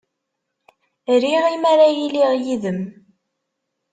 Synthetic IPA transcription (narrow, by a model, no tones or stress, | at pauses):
ɾiʁimaɾajiliʁjiðəm